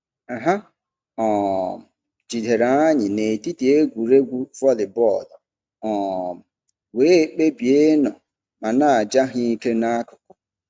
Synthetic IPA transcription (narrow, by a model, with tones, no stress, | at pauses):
a˨ɦa˦ | ɔ˨m̩˨ | d͡ʒi˨de˨ɾa˨˦a˦ɲɪ˨ne˨ti˦ti˨e˦ɡʷu˨ɾe˦ɡʷu˦fɔ˦lɪ˨bɔ˦˨dɔ˨ | ɔ˨m̩˨ | we˨˦k͡pe˦bi˨e˦nɔ˨ | ma˨na˦˨a˨d͡ʒa˦ɦi˦i˦ke˦na˦kʊ̥˨kʊ̥˨